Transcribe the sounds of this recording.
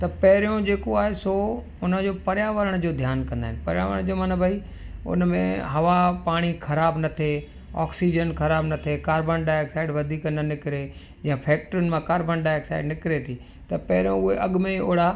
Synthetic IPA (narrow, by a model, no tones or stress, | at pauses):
t̪ɐpɐɦɪɾijõd͡ʑeːkoaːɦeso | ʊnəd͡ʑoːpɐɾjaːʋəɾəɽ̃d͡ʑoːd̪ʱjaːnkɐ̃nd̪aːɦɪnɪpɐɾɪja̰ːʋəɾəɽ̃d͡ʑoːmanabʱaːi | ʊ̰nəmẽɦɐʋapaːɽ̃ixʰɐɾaːbnɐt̪ʰe | ɔ̰ːksid͡ʑənkʰɐɾaːbnɐt̪ʰekaːɾbənɖaːjksaːɪɖʋɐd̪ʱiːknɐnɪkɪɾe | d͡ʑɐ̃ɦɪ̃pʰɛːk̚ʈəɾʊnɪ̆mãkaːɾbənɖaːjksaːɪɖnɪkɪɾet̪ʰiː | t̪ɐpɐɦɪɾijõʊɦeʔɐɠmẽoːɽa